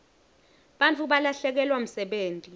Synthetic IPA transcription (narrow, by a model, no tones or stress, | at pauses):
ɓant͡fʰuɓalaɬɛk̬ɛlwam̩sɛɓeːntʼi